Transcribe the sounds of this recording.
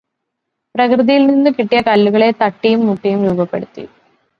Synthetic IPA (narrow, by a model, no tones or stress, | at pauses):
prɐkrɨðijilninːɨkiʈːijɐkɐlːuɣɐɭe̞t̪ɐʈːijumːuʈːijumɾuːbɐpːe̞̰ɽut̪ːḭ